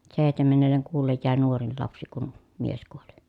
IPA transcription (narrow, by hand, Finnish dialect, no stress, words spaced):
seˑi̯htemenːelːeŋ kuːlːej jæˑe nuorin lɑpsi kun mies kuoli